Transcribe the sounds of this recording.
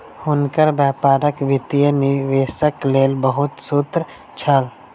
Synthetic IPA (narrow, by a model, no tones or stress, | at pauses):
hʊnkəɾbjɛːpaːɾəkʋɪt̪ijənɪʋeːsəkleːlbəɦʊt̪sʊt̪ɾ | t͡ʃʰəl